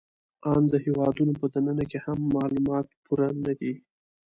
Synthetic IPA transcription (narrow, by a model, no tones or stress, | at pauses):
ɑnd̪əhewɑd̪unopəd̪anənakehamːɑlumɑt̪̚pʰuɾanad̪i